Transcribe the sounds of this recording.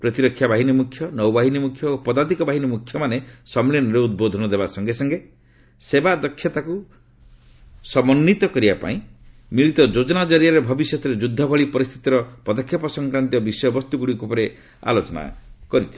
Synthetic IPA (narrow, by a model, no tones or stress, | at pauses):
pɾɔt̪iɾɔkʰːjabaɦinimukʰːjɔnɔwbaɦinimukʰjɔopɔd̪ad̪ikɔbaɦinimukʰjɔmanesɔmliɔnɔɾeud̪̚bod̪ʱɔnɔd̪ebasɔŋɡesɔŋɡe | sebad̪ɔkʰːjɔt̪aku | sɔmɔnːit̪ɔkɔɾibapa̰ĩmiɭit̪ɔd͡ʒod͡ʒɔnad͡ʒɔɾijaɾebʱɔbisjɔt̪ɔɾed͡ʒud̪ʱːɔbʱɔɭipɔɾist̪ʰi̥t̪iɾɔpɔd̪ɔkʰjɔpɔsɔŋkɾant̪iɔbisɔjɔbɔst̪uɡuɽikupɔɾe | a̰lot͡ʃɔna̰kɔɾit̪ʰi̥